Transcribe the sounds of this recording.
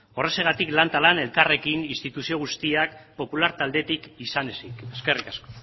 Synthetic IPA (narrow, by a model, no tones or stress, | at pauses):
o̞re̞seɣ̞at̪iklant̪alane̞lkare̞kininst̪it̪usio̞ɣ̞ust̪iakpo̞pulaɾt̪ald̪e̞t̪ikisanesikeske̞rikasko